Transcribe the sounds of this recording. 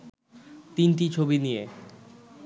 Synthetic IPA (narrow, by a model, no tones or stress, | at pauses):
t̪inʈit͡ɕʰobinije